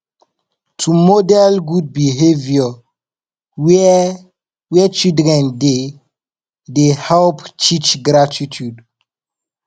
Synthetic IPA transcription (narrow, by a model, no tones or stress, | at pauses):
tʰumodɛlɡud̚biɦevjɔ | w | wɛt͡ʃidɾɛ̃nde | dehɛlpt͡ʃit͡ʃɡɾatitʰud